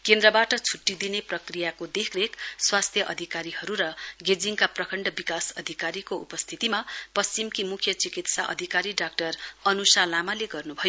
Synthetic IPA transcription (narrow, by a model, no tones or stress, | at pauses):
kend̪rʌbaʈʌt͡sʰuʈːid̪ineprʌkrijakod̪ekʰrekswast̪ʰjʌʔʌd̪ʱikaɾihʌɾuɾʌɡed͡ziŋkaprʌkʰʌɳɖʌbikasʌd̪ʱikaɾikoupʌst̪ʰit̪imapʌst͡simkimukʰjʌt͡sikit̪sa̰ʔʌ̰d̪ʱikaɾiɖak̚ʈʌrʌnusalamaleɡʌrnubʱʌjo